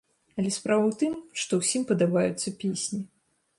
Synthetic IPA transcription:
ɐlʲɛspɾavɐwt̪ɨmʂt̪ɔwsʲimpɐd̪abajut̪sːɐpʲesʲnʲi

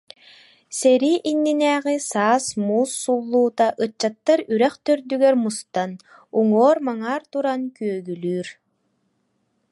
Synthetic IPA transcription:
sɛɾiʔinːinɛːʁisaːsmuːsːulˠːuːt̪aʔɯt͡ɕːat̪ːaɾyɾɛχt̪œɾd̪yɡɛɾmust̪an | uŋɔːɾmaŋaːɾt̪uɾankyœɡylyːɾ

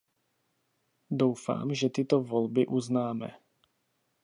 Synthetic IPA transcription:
dowfa̰ːmʒɛt̪ɪt̪ovolbɪʔuznaːmɛ̰

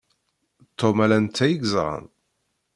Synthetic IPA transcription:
t̪ʰːomælænt̪ːæjəɡzʁə̰n

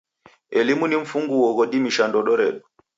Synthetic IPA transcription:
ʔelimuniɱfuŋɡuwɔɡoɗimiʃandɔɗɔɾɛɗɔ

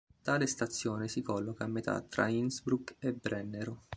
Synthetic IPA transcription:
t̪aːlest̪at̪sːjɔːnesikɔlːokamːet̪ʰa̰t̪ːɾa̰insbɾukebɾɛnːeɾo

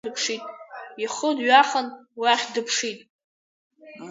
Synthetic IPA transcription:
dɨpʰʂitʼiχədɥaχənwiaχʲdɨpʰʂitʼ

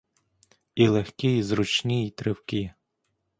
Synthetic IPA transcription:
ilˠexkʲiizɾʊt͡ʃnʲijit̪ɾɪwkʲi

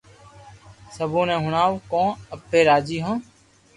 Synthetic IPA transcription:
səbõːnẽːɦʊɳaːʋkõːəpːeːɾaːd͡ʒiːɦõː

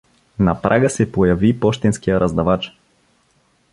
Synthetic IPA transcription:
napɾʔaɡəsɛpojɐvipɔʃt̪ɛnskijəɾʔɐzd̪avat͡ʃ

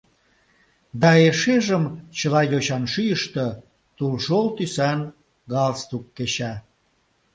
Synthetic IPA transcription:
d̪ɑeʃeʒəmt͡ɕəlɑjoɕɑnʃyjəʃt̪ə̆ | t̪ulʃolt̪ysɑn | ɡɑlst̪ukːeɕɑ

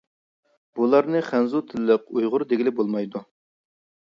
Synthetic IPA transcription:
b̥ulˠɑɾnɨχænzut̪ʰɪlːəq̚ujʁʊɾd̪eɡʲilɪbolˠmɑjd̪u

